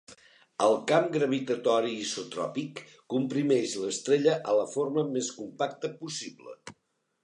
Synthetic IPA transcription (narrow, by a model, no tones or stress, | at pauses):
əlˠkamɡɾəβit̪ət̪ɔɾiːsut̪ɾɔ̰pikː | umpɾimɛʃləst̪ɾeʎəʔələforməmeskumpak̚t̪əpusiblə̰